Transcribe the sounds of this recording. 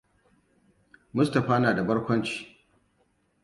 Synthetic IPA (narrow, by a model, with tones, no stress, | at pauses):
mʊ˦stɐ˨ɸaː˦naː˨da˨bɐ˦ɽkʷɐ˦nt͡ʃi̥ː˨